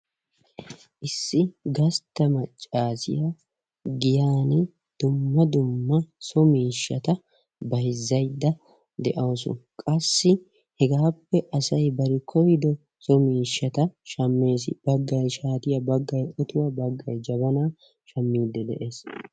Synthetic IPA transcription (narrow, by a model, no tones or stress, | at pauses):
ʔɪsːɪɡɐst̪ːɐmɐt͡ʃʼːaːsɪ̰ja | ɡɪjaːnɪ | d̪̥ʊmːɐd̪ʊmːɐsɔmiːʃːɐt̪ɐ | bɐjzːɐjd̪ːɐ | d̪ɛʔɐwsʊ̰kʼɐsːɪ | hɛɡaːpːɛʔɐsɐjbɐɾɪkʰɔjd̪ɔ | sɔmiːʃːɐt̪ɐʃɐmːesbɐɡːɐjʃaːt̪ɪjɐbɐɡːɐjʔɔt̪ʊwɐbɐɡːɐjd͡ʒɐbɐnaː | ʃɐmːiːd̪ːɛd̪ɛ̰ʔeːs